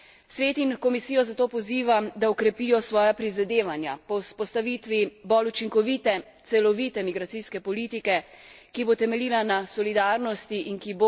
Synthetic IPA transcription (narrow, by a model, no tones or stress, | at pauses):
sʋeːt̪inkɔmisijɔzat̪oːpɔziːʋamd̪aɔkɾɛpiːjɔsʋɔːjapɾizad̪eːʋanjapɔwspɔst̪aʋit̪ʋibɔlut͡ʃiŋkɔʋit̪ɛ | t̪sɛlɔʋit̪ɛmiɡɾat̪siskɛpɔliːt̪ikɛ | kibot̪ɛmɛliːlanasɔlid̪aɾnɔst̪iʔinkibo